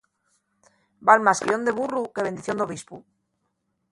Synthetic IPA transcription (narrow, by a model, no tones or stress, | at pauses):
balmaskiond̪eβurukeβe̞nd̪iθjo̞nd̪o̞β̞ispu